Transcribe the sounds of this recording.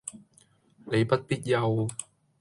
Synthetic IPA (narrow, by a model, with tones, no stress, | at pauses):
ne˨˧jpɐ˥t̚piː˥t̚jɐ˧w